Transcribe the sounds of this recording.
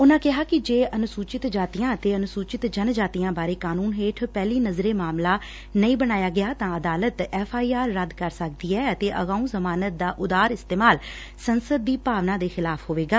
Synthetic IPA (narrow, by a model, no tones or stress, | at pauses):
ʊnãːkɪɦaːkɪd͡ʒeːʔənʊsuːt͡ʃɪt̪d͡ʒaːt̪ijãːət̪eːənʊsuːt͡ʃɪt̪d͡ʒənd͡ʒaːt̪ijãːbaːɾeːkaːnuːnɦeːʈʰpɛːliːnəzɾeːmaːmlaː | nəĩːbəɽ̃aːjaːɡɪjaːt̪ãːəd̪aːlət̪ɛːfʰaːiːaːɾːəd̪kəɾsək̚d̪iːɛːət̪eːʔə̰ɣaːũːzəmaːnət̪̚d̪aːʔʊd̪aːɾɪst̪eːmaːl | sənsəd̪ːiːpaːʋnãːd̪eːxɪlaːfʰɦoːʋeːɡaː